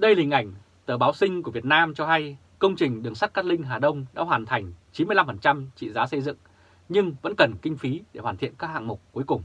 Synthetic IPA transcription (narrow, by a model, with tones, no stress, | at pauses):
ɗə˧jlï˨˩ŋ̟ʔa˧˩jŋ̟ | t̪əː˧˩ɓaː˨˦wsï˧ŋ̟ku˧˩əvi˨˩ət̚naː˧mt͡ɕɔ˧ɦa˧j | kə˧wŋ͡mt͡ɕï˨˩ŋ̟ɗɨ˨˩əŋsa˦˥t̚kaː˦˥k̚lï˧ŋ̟ɦaː˨˩ɗə˧wŋ͡mɗa̰ː˧˥ɦwaː˨˩nt̪ʰa˨˩jŋ̟t͡ɕi˨˦nmɨ˧la˧mfə˨˩nt͡ɕa˧mt͡ɕḭ˧˨zaː˨˦sə˧jzɨ̰˧˨ŋ | ɲɨ˧ŋvə̰˧˥nkə˨˩nkï˧ŋ̟fi˨˦ɗe˧˩ɦwaː˨˩nt̪ʰḭ˧˨ənkaː˦˥k̚ha̰ː˧˨ŋmʊ˨˩k͡p̚ku˨˦jkʊ˨˩ŋ͡m